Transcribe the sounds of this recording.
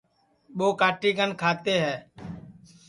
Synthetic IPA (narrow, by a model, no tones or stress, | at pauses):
ɓoːkaːʈiːɡənkʰaːt̪eːɦɛː